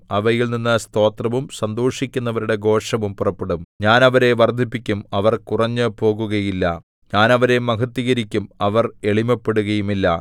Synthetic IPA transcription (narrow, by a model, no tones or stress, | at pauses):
ɐʋɐjilninːɨst̪o̞ːt̪rɐʋumsɐnd̪oːʂikʲːunːɐʋɐɾuɽe̞ɡo̞ːʂɐmumpurɐpːe̞ɽumɲaːnɐʋɐɾe̞ʋɐrd̪ʱipːikʲːumɐʋɐrkurɐɲːɨpo̞ːɣuɣɐjilːɐ̰ | ɲaːnɐʋɐɾe̞mɐkɐt̪ːiɣɐɾikʲːumɐʋɐre̞ɭimɐpːe̞ɽuɣɐjumilːɐ